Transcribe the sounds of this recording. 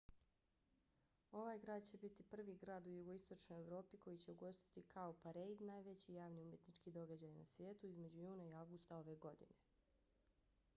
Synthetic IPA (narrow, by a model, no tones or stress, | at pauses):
o̞ʋaːjɡɾaːd̪̚t͡ɕe̞bit̪ipr̩ʋiɡɾaːd̪ujuɡo̞ist̪o̞t͡ʃno̞jeʋɾo̞ːpiko̞jit͡ɕe̞uɡo̞st̪i̥t̪ikʰaopaɾejd̪naːjʋe̞t͡ɕijaːʋniumje̞t̪nit͡ʃkid̪o̞ɡad͡ʑaːjana̰sʋjeːt̪uizme̞d͡ʑujuːnaiaʋɡust̪ao̞ʋe̞ɡo̞d̪ḭne̞